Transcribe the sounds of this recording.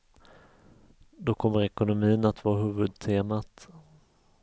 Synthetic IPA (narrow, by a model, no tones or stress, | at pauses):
d̪ɔkʰɔmːəɾɛkʊnʊmiːənat̪vɑːɦʉ̟ːvɵd̪̚t̪ʰeːmat̪